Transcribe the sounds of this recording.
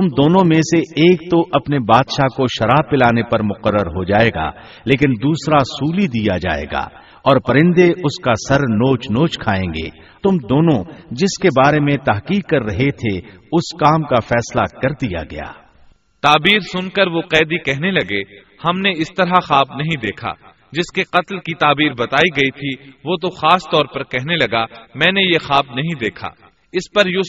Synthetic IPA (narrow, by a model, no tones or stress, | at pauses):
t̪ʊmd̪oːnõmẽseeːk̚t̪oʔɐpnebaːd̪ʃakoʃɐɾaːb̚pɪlaːnepɐɾmʊqəɾːəɾɦod͡ʒaːeːɡa̰ː | leːkɪnd̪uːsɾasuːlid̪ijad͡ʒa̰ːḛːɡa̰ː | ɔːɾpɐɾɪ̃nd̪eʊskasɐɾnoːt͡ʃnoːt͡ʃkʰaːẽːŋɡḛː | t̪ʊmd̪oːnõd͡ʒɪskebaːɾemẽt̪ɐɦqiːk̚ːɐɾːɐɦet̪ʰeʊskaːmkafɛːslakɐɾd̪ija̰ɡɐja̰ː | t̪aːbiːɾsʊnkɐɾʋoqɛːd̪ikɛɦnelɐɡe | hɐmneɪst̪ɐɾɦaxaːbnɐɦĩd̪eːkʰa̰ː | d͡ʒɪskeqɐt̪lkit̪aːbiːɾbɐt̪aːiɡɐit̪ʰiʋot̪̬oxaːst̪ɔːɾpɐɾkɛɦnelɐɡamɛ̃ːnejexaːbnɐɦĩd̪eːkʰa̰ː | ɪspɐɾjʊ